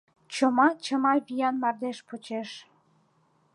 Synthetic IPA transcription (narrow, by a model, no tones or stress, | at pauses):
t͡ɕomɑt͡ɕəmɑβʲijɑnmɑrd̪eʃpot͡ɕeʃ